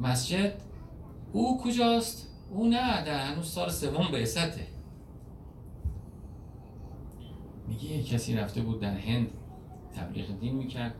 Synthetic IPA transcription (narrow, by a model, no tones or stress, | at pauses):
mæsd͡ʒed̪ | uːkʰod͡ʒɒːst̪ | ʔuːnææd̪æhænuːz̥sɒːlese̞vombesæt̪ʰḛ | miɟejecʰːæsiːɾæft̪ebuːd̪ːæɾhe̞nd̪ | t̪ʰːæ̰blḭːɣed̪iːnmiːcʰæɾd̪̥̚